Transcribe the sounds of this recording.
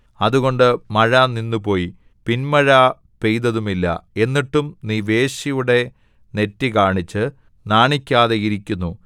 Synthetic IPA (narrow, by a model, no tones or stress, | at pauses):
ɐðuɣo̞ɳɖɨmɐɻaːninːupo̞ːji | pinmɐɻaː | pe̞jd̪ɐðumilːɐ̰e̞nːiʈːumniːʋe̞ːɕijuɽe̞ | ne̞tːikaːɳit͡ɕːɨ | naːɳikʲːaːðeiɾikʲːunːu